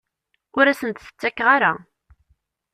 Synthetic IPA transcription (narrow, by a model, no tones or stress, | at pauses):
ʊɾæsənt̪θə̥t͡sːækːʁaɾa